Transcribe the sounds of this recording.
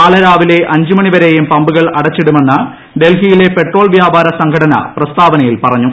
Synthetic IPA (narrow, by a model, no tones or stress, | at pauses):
aːɭɐɾaːʋile̞ʔɐɲd͡ʑumɐɳiʋɐɾe̞jumpɐmbuɣɐɭɐɽɐt͡ɕːiɽumenːɨ | ɖe̞lɦijile̞pe̞ʈro̞ːɭʋjaːbʱaːɾɐsɐŋɡʰʱɐɽɐnɐ̰prɐst̪ʰaːʋɐnɐjilpɐrɐɲːu